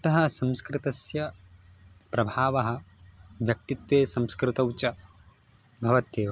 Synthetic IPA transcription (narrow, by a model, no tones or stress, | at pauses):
ɐt̪ɐɦɐ̆sɐ̃mskɾɪt̪ɐsjɐ | pɾɐbʱaːʋɐɦɐ̆ʋjɐk̚t̪it̪ʋeːsɐmskɾɪt̪ɐwt͡ʃɐ | bʱɐʋɐt̪eːʋɐ